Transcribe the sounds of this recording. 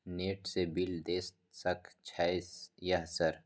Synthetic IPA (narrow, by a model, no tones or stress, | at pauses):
neːʈsebɪld̪eːst̪sɐkʰt͡ʃʰaesjɐɦsəɾ